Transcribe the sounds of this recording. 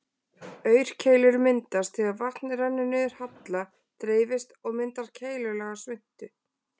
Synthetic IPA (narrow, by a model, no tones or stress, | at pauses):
œːɥɾ̥cʰeːjlʏɾmɪnt̪ast̪θɛɣaðvahtnɾɛnːʏnʏɪɾ̥hat̪la | t̪ɾeːjvɪst̪ɔɣmɪnt̪aɾ̥cʰeːjlʏlɛːɣasvɪn̥t̪ʏ